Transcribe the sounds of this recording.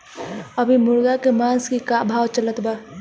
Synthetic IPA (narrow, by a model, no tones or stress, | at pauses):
əbʱimuɾɡakemãnskikabʱawt͡ʃələt̪ba